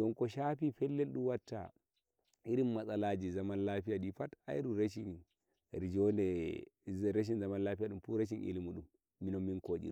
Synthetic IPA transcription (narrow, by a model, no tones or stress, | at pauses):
ɔŋkɔʃapifɛlːɛlɗumwatːa̰ | iɾimːasalad͡ʒizamanlafijaɗifata̰jɗuɾeʃin | ɾid͡ʒɔndɛ | ɾeʃ̬inzamanlafijaɗumfuɾeʃ̬inʔḭlimuɗumː | inɔːinkod͡ʒḭu